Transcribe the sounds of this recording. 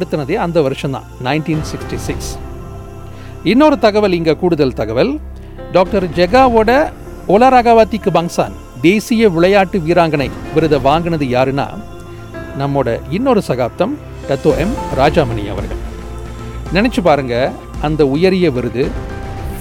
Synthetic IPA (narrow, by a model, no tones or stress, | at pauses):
ɽɯt̪ːɯnɐðeːɐnd̪ɐʋɐɾɯʂɐ̃nd̪ã̰ːnɐɪnʈiːnsɪksʈisɪks | ɪnːoːɾɯt̪ɐɣɐʋɐlɪŋɡɐkuːɽɯðɐlt̪ɐɣɐʋɐl | ɖaːk̚ʈɐɾd͡ʒɛɡaːʋoːɽɐ | oːlaːɾaːɣaːʋaːt̪ːɪkːɯbaːŋsa̰ːn | d̪eːsɪjɐʋɪɭɐjaːʈːɯʋiːɾaːŋɡɐnɐɪʋɪɾɯðɐʋaːŋɡɯnɐðɯjaːɾɯna̰ː | nɐmːoːɽɐ̰ɪnːoːɾɯsɐɣaːp̚t̪ɐm | ʈɐt̪ːoːʔɛmɾaːd͡ʒaːmɐnɪ̰jɐ̰ʋɐ̰ɾɣɐ̰ɭ | nɪnɐt͡ʃːɯpaːɾɯŋɡɐ | ɐnd̪ɐʊjɐɾɪjɐʋɪɾɯðɯ